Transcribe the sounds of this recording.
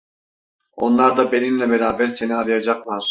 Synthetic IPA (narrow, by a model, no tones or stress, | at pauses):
o̞̰nlˠaɾd̪abenimlʲɛbeɾaːbæɾse̞niaɾɯjad͡ʒaqlˠaɾ̥